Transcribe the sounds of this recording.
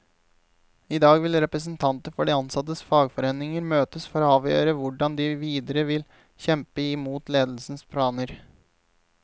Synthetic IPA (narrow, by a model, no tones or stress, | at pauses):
ɪd̪ɑːɡʋɪlɾɛpɾəsn̩t̪ʰɑnt̪əfɔɖiːɑnsɑt̪əsfɑːɡfɔɾeːnɪŋəɾmøːt̪əsfɔɾɑːʋjø̰ːɾəʋʊɖɑnd̪iʋiːd̪əɾəʋɪl | çɛmpəɪmuːt̪leːd̪l̩sn̩spʰlɑːnəɾ